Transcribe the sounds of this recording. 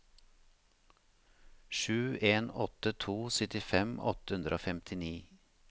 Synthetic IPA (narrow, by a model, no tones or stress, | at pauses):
ʃʉːʔeːnɔt̪ət̪ʰuːsœt̪ɪfɛmɔ̰t̪əhʉnd̪ɾʔo̰ːfɛmt̪ʰɪniː